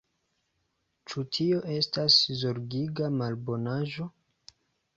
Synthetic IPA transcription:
t͡ʃutʰio̞ʔe̞staszoɾɡiɡamalbo̞naʒo̞

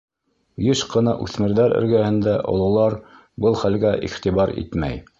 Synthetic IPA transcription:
jɘʃqɤ̆nɑʔʉ̰θmɘ̆ɾðæɾɘ̰̆ɾɡæhɘ̆nd̪æʔŏ̰lˠɤ̆wlˠɑɾ | bɤlˠχælɡæʔḭχt̪iβɑɾḭt̪mæ̰j

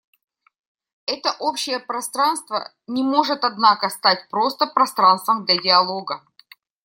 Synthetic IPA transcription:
ɛt̪əʔopɕːɪjəpɾɐst̪ɾanst̪və̰ | nʲɪmo̞ʐɨt̪ɐd̪nakəst̪atʲpɾo̞st̪əpɾɐst̪ɾanst̪vəmd̪lʲadʲɪɐlˠoɡə

